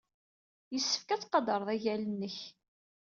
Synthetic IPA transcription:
jəsːə̥fkæt͡sːqɑd̪əɾˤðˤæʝælənːəç

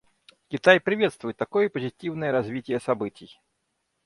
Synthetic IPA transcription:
kʲit̪ajpɾʲɪvʲɛt̪st̪vʊjɪt̪ːakɔjəpəzʲitʲiwnəjəɾazʲvʲitʲɪjəsabɨt͡sʲij

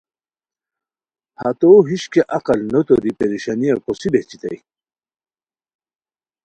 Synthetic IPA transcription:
ha̰t̪oɦiɕkeʔɐqɐlnot̪oɾipeɾiɕaniɐkosibeht͡ɕit̪ɐ̰j

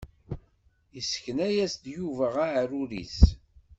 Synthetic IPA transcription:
isə̥kənæjæsd̪juvæʁaʕɾuɾḭs

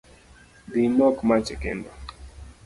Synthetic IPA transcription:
dinɔkmat͡ʃɛkɛ̰ndɔ

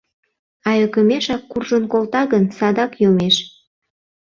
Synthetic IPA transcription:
ɑjøkə̆meʃɑkːurʒənkolt̪ɑɣənsɑd̪ɑkjomeʃ

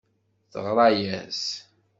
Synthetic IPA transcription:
θəʁɾˤɑjæz

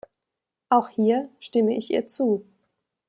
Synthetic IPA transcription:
ʔaʊxhiːɐʃtɪməʔɪçʔḭːɐt͡suː

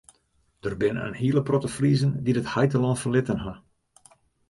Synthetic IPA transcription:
d̥ərbɪnə̰nhiələprotəfrizəndidəthajtəlɔnfərlɪtənɦa

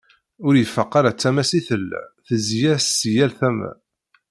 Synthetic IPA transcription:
ʊɾjəfːəqːaɾat͡sːæmæsiθəl̰ːθəzjæssjælθæmæ̰

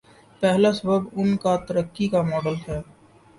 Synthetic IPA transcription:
pɛɦlasəbəbʊnkat̪əɾəkːikamɔːɖəlɦɛː

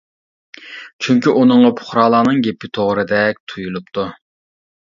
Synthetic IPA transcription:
t͡ʃʰyŋkʲiʔunɨŋʁɑpʰʊ̥χɾɑːlˠɑːnɨŋɡʲepːɪt̪ʰoʁɾɨd̪ɛk̚ʲt̪ʰujulˠupt̪ʰu

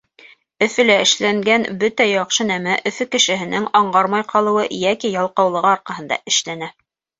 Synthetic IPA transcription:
ɵ̆fɘ̆læɘ̆ʃlæŋɡænbɵt̪æjɑqʃɤnæmæʔɵ̆fɵkɘ̆ʃɘ̆ɦɘ̆nɘŋɑɴɢɑɾmɑjqɑlˠɤ̆wɤjækijɑlˠqɑwlˠɤ̆ʁɤɑɾqɑhɤ̆nd̪ɑ̰ʔɘ̆ʃlænæ

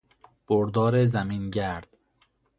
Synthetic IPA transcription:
b̥oɾd̪ɒːɾezæmiːnɟæɾd̪̥

